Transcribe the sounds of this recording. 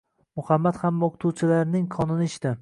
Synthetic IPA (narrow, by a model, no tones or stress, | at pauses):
mʊhamːat̪hamoqʰt̪ʰuwt͡ʃʰɪlaɾnɪŋkʰɒnɪnɪɪʃt̪ɪ